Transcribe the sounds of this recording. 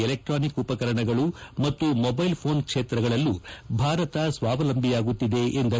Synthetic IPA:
elek̚ʈɾaːnikupɐkɐɾɐɳɐɡɐɭumɐt̪ːumobɐjlpʰo̞ːnkʂeːt̪ɾɐɡɐɭɐlːubʱaːɾɐt̪ɐsʋaːʋɐlɐmbʱijaːɡut̪ːid̪e̞ʔend̪ɐ

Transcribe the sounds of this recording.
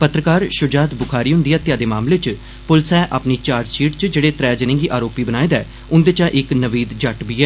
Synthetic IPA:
pət̪ɾəkaːɾʃʊd͡ʒaːt̪bʊkʰaːɾiːɦʊ̃nd̪iːɛːt̪ɪjaːd̪eːmaːmleːt͡ʃ | pʊlsɛːʔaːpniːt͡ʃaːɾd͡ʒt͡ʃʰiːʈt͡ʃd͡ʒeːɽeːt̪ɾɛːd͡ʒənɪ̃ŋɡiːʔaːɾoːpiːbənaːed̪ɛː | ʊnd̪eːt͡ʃãːʔɪknəʋiːd̪d͡ʒəʈbiːɛː

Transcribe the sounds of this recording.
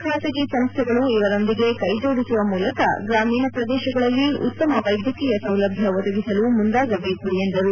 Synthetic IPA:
kʰaːt̪ɐɡisɐmst̪ʰɛɡɐɭuiʋɐɾo̞nd̪iɡe̞kɐjd͡ʒoːɽisuʋɐmuːlɐkɐ̰ɡɾaːmiːnɐpɾɐd̪ɛːʃɐɡɐɭɐlːiʔṵt̪ːɐmɐʋɐjd̪ʱjɐkiːjɐsɐwlɐbʱjɐʋɐd̪ɐɡisɐlumund̪aːɡɐbeːkuɽijend̪ɐɾu

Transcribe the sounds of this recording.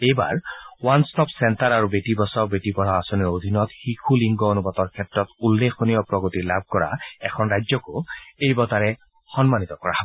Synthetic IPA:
ejba̰ɹwanstɔpsɛntaɹaɹubetibɔsɔbetibɔɹaasɔniɹod̪ʱinɔt̪xikʰuliŋɡɔonubɔt̪ɔɹkʰɛtɹɔt̪ulːekʰonijɔpɹɔɡot̪ilab̚ʱkɔɹa̰ɛkʰɔnɹajzɔkoejbɔt̪aɹɛ | xɔnmanit̪ɔkɔɹa̰

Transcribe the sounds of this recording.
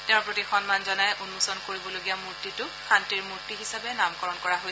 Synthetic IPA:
tɛʊ̃pɹotixɔnmanzɔnajʔunmusɔnkoɹibɔloɡijamuɹtitʊxʰantiɹmuɹtiɦisabɛnamkɔɹɔnkɔɹaɦoj

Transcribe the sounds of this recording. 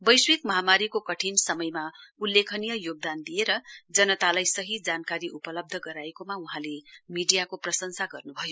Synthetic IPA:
bʌjswikmʌɦamaɾikokʌʈʰinsʌmʌjmaulːekʰʌnijʌjoɡ̚d̪and̪ijeɾʌd͡zʌnʌt̪alajsʌɦid͡zankaɾiʔupʌlʌb̚d̪ʱʌɡʌɾaekomauɦãlemiɖijakoprʌsʌŋsaɡʌrnubʱʌjo

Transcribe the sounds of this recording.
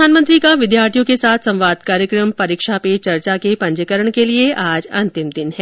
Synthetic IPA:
aːnmə̃nt̪ɾikaʋɪd̪jaːɾt̪ʰijõkesaːt̪ʰsɐ̃mʋaːd̪kaːɾjəkɾəmpɐɾiːkʃapet͡ʃɐɾt͡ʃakepɐ̃ɲd͡ʒəkəɾəɳ̃kelieʔaːd͡ʒɐ̰̃nt̪ɪmd̪ɪnɦɛː

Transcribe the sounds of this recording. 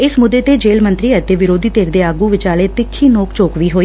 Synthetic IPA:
ɪsmʊd̪ːeːt̪eːd͡ʒeːlmə̃nt̪ɾiːɛt̪eːʋɪɾoːd̪iːt̪eːɾd̪eːaːɡuːʋɪt͡ʃaːɽeːt̪ɪkʰːiːnoːkt͡ʃoːkʋiːɦoːiː

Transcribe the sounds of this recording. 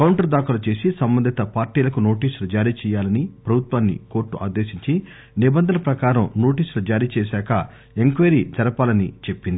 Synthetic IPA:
kɐwɳʈɐɾd̪aːkulɐt͡ʃe̞ːsisɐmbɐnd̪ʱit̪ɐpaːɾʈiːlɐkuno̞ːʈiːslɐd͡ʒaːɾiːt͡ʃɛːjaːlɐnipɾɐbʱut̪ʋaːnːḭko̞ːɾʈːuʔa̰ːd̪eːʃiɲt͡ʃi | nibɐnd̪ʱɐnɐpɾɐkaːɾɐmno̞ːʈiːslɐd͡ʒaːɾiːt͡ʃɛːsɛːkɐ | eŋkʋeɾid͡ʒɐɾɐpaːlɐnit͡ʃe̞pːind̪ii

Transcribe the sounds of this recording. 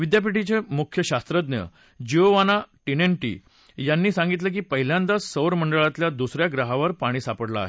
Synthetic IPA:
ʋid̪jap̬iʈit͡semukʰjəɕast̪ɾəd̪njə̰ | d͡ʑioʋanaʈineɳʈḭː | janːiːsãŋɡit̪̬lek̬iːpəɦiljãnt̪asəwɾməɳɖəɭat̪ljad̪usɾjaɡɾaɦaʋəɾpaɽ̃iːsapəɽla̰a̰ːɦe

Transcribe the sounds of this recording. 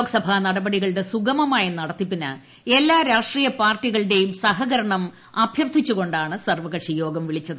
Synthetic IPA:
oːɡɐsɐbʱaːnɐɽɐbɐɽiɣɐɭɽe̞suɡɐmɐmaːjinɐɽɐt̪ːipːinɐ̰ | e̞lːaːɾaːʂʈriːjɐpaːrtːiɣɐɭɨɽe̞jumsɐɦɐɣɐɾɐɳɐm | ɐbʱjɐrt̪ʰːit͡ɕːuɣo̞ɳɖaːɳɨsɐrʋɐɣɐʂijo̞ːɡɐmʋiɭit͡ɕːɐðɨ

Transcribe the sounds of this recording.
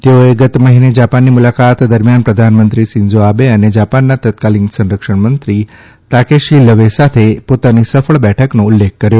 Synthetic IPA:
t̪eoeɡət̪məɦined͡ʒapanːimʊlakat̪d̪əɾmjanpɾəd̪ʱanmənt̪ɾisɪɲd͡ʒoabeəned͡ʒapanːat̪ət̪̚kaliksə̃nɾəkʃəɳmənt̪ɾi | t̪akeʃiləʋesat̪ʰepot̪anisəfəɭbɛʈʰəknõʊlːek̚ʰkːəɾjo

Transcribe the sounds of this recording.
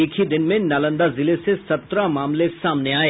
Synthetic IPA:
ɪkʰid̪ɪnmẽnaːlə̃nd̪azɪlesesɐt̪ɾamaːmlesaːmneaːeː

